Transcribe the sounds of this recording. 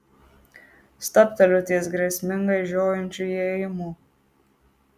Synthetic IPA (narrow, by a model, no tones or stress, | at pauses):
st̪ɐpʲt̪ʲɐlʲʊt̪ʲiɛsɡɾʲɛsʲmʲɪŋɡɐɪʒʲoːjɛnʲt͡ʃʲujɛjmuː